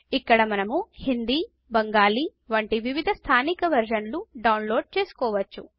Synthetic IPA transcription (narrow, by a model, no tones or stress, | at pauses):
ikːɐɽɐmɐnɐmuhind̪iː | bɐŋɡaːliː | ʋɐɳʈiʋiʋid̪ʱɐst̪ʰaːnikɐʋɐɾʃɐnluɖɐwnloːɖ̚t͡ʃe̞ːsu̥kɔːʋɐt͡ʃːu